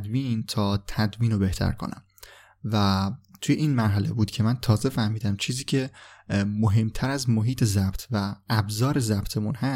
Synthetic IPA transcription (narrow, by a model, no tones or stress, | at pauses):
d̪miːnt̪ʰɒːt̪ʰæd̪miːnobe̞ht̪ʰæ̰ɾkʰo̰næ̰m | væt̪ʰujeʔinmæɾɦæle̞buːd̪cʰe̞mænt̪ʰɒːze̞fæhmiːd̪æmt͡ʃʰiːziːcʰe̞ | moɦe̞mt̪ʰæɾæzmoɦiːt̪ʰe̞zæb̥t̪ʰvæʔːbzɒːɾe̞zæb̥t̪ʰemunhæ